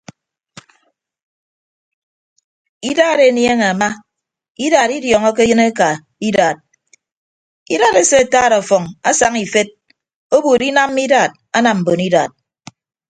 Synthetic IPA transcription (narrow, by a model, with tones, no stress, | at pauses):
i˦daː˦˨ɾe˦˨nje˦ŋe˨a˨ma˦ | i˦daː˨ɾi˦djɔː˨ŋɔ˦ke˦ɨ˦ne˦ka˨ | i˦daː˨t̚ | ḭ˦da˨ɾe˦se˦a˨taː˦˨ɾɔ˨fɔ˨ŋa˦sa˨ŋi˨fe˦t̚ | o˦bu˨ɾi˦na˦m˦i˦daː˨t̚ | a˦na˨m̩˨bo˨ni˦da˨t̚